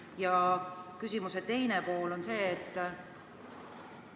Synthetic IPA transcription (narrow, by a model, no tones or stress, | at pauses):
jɑkysʲimuse̞t̪e̞jnepo̞ːlo̞nse̞ːt̪ː